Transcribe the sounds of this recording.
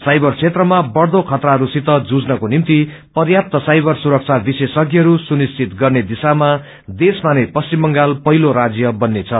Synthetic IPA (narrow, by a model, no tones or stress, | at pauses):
sajbʌrt͡sʰet̪rʌmabʌɽd̪okʰʌt̪raʌɾusit̪ʌd͡zud͡znʌkonimt̪i | pʌrjap̚t̪ʌsajbʌrsuɾʌk̚t͡sʰabisesʌɡjʌɦʌɾusunist͡sʰit̪ɡʌrned̪isama | d̪esmanepʌst͡simbʌŋɡalpʌɦiloɾad͡zjʌbʌnːet͡sʰʌ